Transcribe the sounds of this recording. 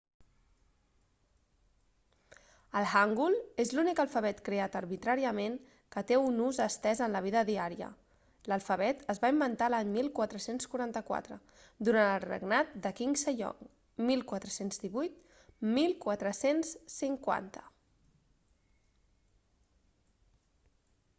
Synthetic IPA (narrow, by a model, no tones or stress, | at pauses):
əlˠɣaŋɡulezlunikəlˠfəβ̞ɛt̪kɾeat̪əɾβit̪ɾaɾiəmeŋ | kət̪eunuzəst̪ɛzənləβiðəðiaɾiə̰ | ləlˠfəβɛt̪əzβaimbənt̪alaɲmilˠkwat̪ɾəsenskuɾant̪əkwa̰t̪ɾə | d̪uɾanəlˠrḛɡnat̪̚d̪əkiŋsəʎɔ̰ŋ | milˠkwat̪ɾəsenzðiβujt̪̚ | milˠkwat̪ɾəsensːiŋkwa̰nt̪ə̥